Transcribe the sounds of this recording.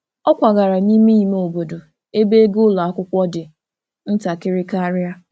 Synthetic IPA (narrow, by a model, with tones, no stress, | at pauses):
ɔ˦kʷa˨ɡa˨ɾa˨ni˦me˦i˨me˦o˨bo˨do˨ | e˦be˦ɡʊ˦la˨a˦kʷʊ˦kʷɔ˦dɪ˨ | n̩˦ta˨kɪ˦ɾɪ˦ka˦a˦ɾja˦